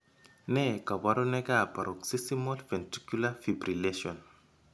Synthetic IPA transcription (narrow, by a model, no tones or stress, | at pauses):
nekaβaɾonekapaɾʔoksisimolfenti̥kjulafibɾileʃiɔn